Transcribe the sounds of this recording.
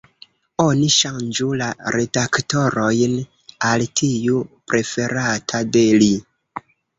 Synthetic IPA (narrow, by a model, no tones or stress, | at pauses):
o̞niʃand͡ʒulaɾe̞dakto̞ɾo̞jn | altʰijupɾʔe̞fe̞ɾatʰade̞li